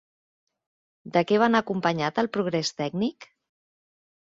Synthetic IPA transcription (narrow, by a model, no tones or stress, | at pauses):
d̪əkɛβ̞anəkumpəɲat̪əlˠpɾuɣɾɛst̪ɛɡnik